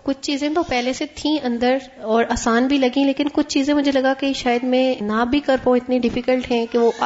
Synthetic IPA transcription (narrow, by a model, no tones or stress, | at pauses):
kʊt͡ʃʰt͡ʃiːzẽt̪opɛɦleset̪ʰĩʔɐ̃nd̪əɾɔːɾaːsaːnbʱilɐɡĩleːkɪnkʊt͡ʃʰt͡ʃiːzẽmʊd͡ʒʱelɐɡakeʃaːjəd̪mɛ̃nabʱikɐɾpõɪt̪niɖɪfikəlʈɦɛ̃ːkeʋoʔ